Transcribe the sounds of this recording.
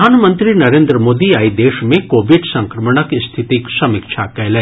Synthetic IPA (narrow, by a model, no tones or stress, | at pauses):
aːnmə̃nt̪ɾinɐɾẽːnd̪ɾəmoːd̪iaːid̪eːʃmẽkoːʋɪɖsɐ̃ŋkɾəməɽ̃əkist̪ʰɪt̪iksɐmɪkʃʰakɛːlɛ